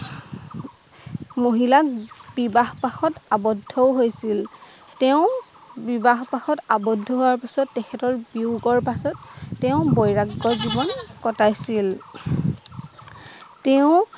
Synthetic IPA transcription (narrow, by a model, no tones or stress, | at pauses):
moɦilabibaɦpaxɔtabɔdʱɔwɦojsil | tɛʊ̃ | bibaɦpaxɔtabɔdʱɔɦowaɹpasɔtːɛkʰɛtɔɹbiʊɡɔɹpasɔtːeʊ̃bɔjɹaɡːɔzibɔnkɔtajsil | teʊ̃